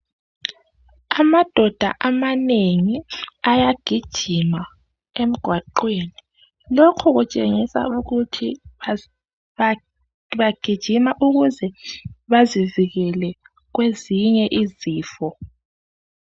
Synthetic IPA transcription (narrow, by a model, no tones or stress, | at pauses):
amad̥ʱɔd̥ʱa̰ʔamaneŋiajaɡ̥ʱid̥ʒ̥ʱima | em̩ɡ̥ʱwaǃweni | lokʰuɣut͡ʃʼeŋisa̰uɣutʰi | βaɡ̥ʱid̥ʒ̥ʱimaʔuɣuzɛβaziviɣɛlɛ | ɣweziɲɛʔiziːfɔ